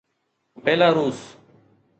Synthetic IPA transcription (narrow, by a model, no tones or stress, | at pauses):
beːlaːɾuːs